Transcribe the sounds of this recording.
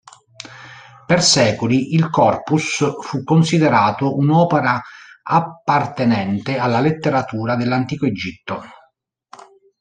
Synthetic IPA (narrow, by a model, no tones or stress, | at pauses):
persɛːkoliʔilkɔrpusfukːonsid̪eɾaːt̪oʔunɔːpeɾaapːart̪enɛnt̪ealːalet̪ːeɾat̪uːɾad̪elːant̪iːkoed͡ʒit̪ːo